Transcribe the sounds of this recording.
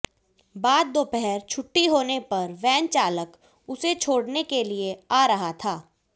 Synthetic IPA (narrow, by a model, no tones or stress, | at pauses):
baːd̪̚ːoːpɛɦɛɾt͡ʃʰʊʈːiɦoːnepɐɾʋɛ̃ːnt͡ʃaːlək | ʊset͡ʃʰoːɽnekelieaːɾɐɦat̪ʰaː